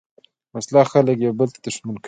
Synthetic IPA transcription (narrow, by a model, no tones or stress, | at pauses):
maslaxaləkjawbəlt̪ḁd̪əʂmank